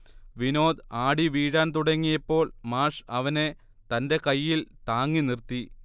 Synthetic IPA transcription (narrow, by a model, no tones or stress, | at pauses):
ʋino̞ːd̪aːɽiʋiːɻaːnt̪uɽɐŋːijɐpːo̞ːɭmaːʂɐʋɐne̞ | t̪ɐnde̞kɐjːilt̪aːŋːinirt̪ːi